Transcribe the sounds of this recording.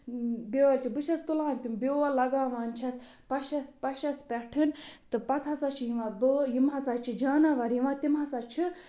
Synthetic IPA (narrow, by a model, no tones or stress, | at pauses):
bewɐlt͡ʃʰibɨʃʰɐst̪ulaːnt̪imbeʋalɐɡaːʋaːnt͡ʃʰɐs | pɐʃɐspɐʃɐspʲɛʈʰɨnt̪ɨpɐt̪ʰɐsat͡ʃʰijiʋãbɨjimɦɐsat͡ʃʰid͡ʒaːnaʋɐɾjiʋat̪imɦɐsat͡ʃʰi